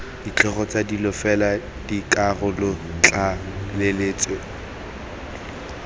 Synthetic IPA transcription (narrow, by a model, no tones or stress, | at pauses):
dit͡ɬʰʼɔχɔt͡sʼadilɔfɛla | dikʼarʊlɔt͡ɬʼalɪleːt͡sʼe